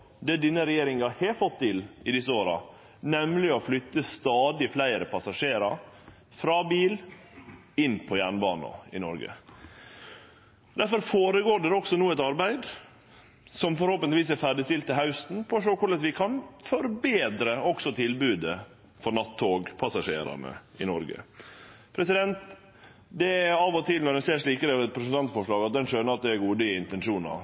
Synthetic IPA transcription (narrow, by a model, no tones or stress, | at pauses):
d̪ɛd̪ɪnːəɾɛjeːɾɪŋɑheːfɔt̪̚ʰːɪlɪd̪ɪsːəoːɾɑ̰ | nɛmlɪɔflʏt̪ːəst̪ɑːd̪ɪflæɪɾəpʰɑsɑʂeːɾɑɾ | fɾɑːbiːl | ɪnpʰɔjæːɳbɑːnɑ̰ɪ̰nɔ̰ɾɡə̰ | d̪æɾfɔɾfoːɾəɡoːɖɛɾɔksɔnuːɛt̪ɑɾbæɪd̪ | sɔmfɔɾhɔlpənʋiːs̬æɾfæɖɪst̪ɪlt̪ːɪlɦɑʉsn̩pʰɔːʂoːkʊɭɛt̪ʋɪkʰɑnfɔɾbeːd̪ɾəɔksɔt̪ʰɪlbʉːd̪ə | fɔɾnɑt̪ʰːoːɡpʰɑsɑʂḛːɾɑ̰ɳə̰ɪnɔɾɡə̰pʰɾɛsɪd̪ɛnt̪ | d̪ɛɑːʋɔt̪ʰɪlnɔɾɖ̪ɛnseːʂɭiːkəɾəɛt̪̚pʰɾɛsnt̪ʰɑnt̪fɔʂɭɑːɡɑt̪̚d̪ɛnʂøːnəɾɑt̪̚d̪ɛæɾɡuːd̪əɪnt̪ɛnʂuːnɑ̰